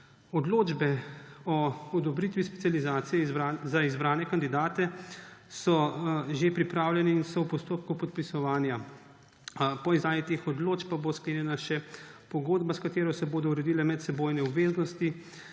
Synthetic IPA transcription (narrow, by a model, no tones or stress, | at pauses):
ɔd̪loːd͡ʒbɛɔɔd̪ɔbɾit̪ʋispɛ̥t̪sjalizaːt̪sijɛzaizbɾaːnɛkand̪id̪aːt̪ɛsɔʒepɾipɾaːwljɛnɛinsɔwpɔst̪oːp̚kupɔt̪pisɔʋaːnja | pɔizaːjit̪eːxɔd̪loːt͡ʃpaboːskleːnjɛnaʃɛpɔɡoːd̪baskat̪eːɾɔsɛboːd̪ɔuɾɛd̪iːlɛmɛt̪sɛboːjnɛɔbʋeːznɔst̪i